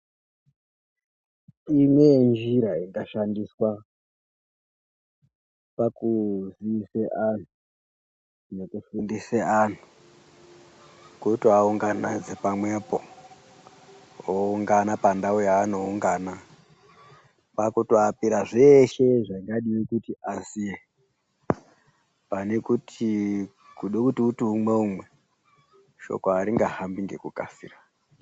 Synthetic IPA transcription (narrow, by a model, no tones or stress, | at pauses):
imwend͡ʒiɾaindaʃandiswa | pakuziiseʔan̤u | nekufindiseʔan̤u̥ | kutiauŋɡanad͡zepamwe̞po̰ | ouŋɡanapandaujaːnouŋɡaːna | pakutoapiɾaʐeʃe̞ʐaiŋɡaɗiwekutiʔasie | pane̞kutʰi | kuɗekutiutiumwe̞umwe̞ | ʃo̞̰koaɾiŋɡahambiŋɡe̞kuka̰fḭra